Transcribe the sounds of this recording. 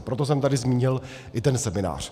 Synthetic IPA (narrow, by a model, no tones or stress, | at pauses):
pɾo̞t̪os̬ɛmt̪adɪzmiːɲɪl | ʔɪt̪ɛnsɛmɪna̰ːr̝̥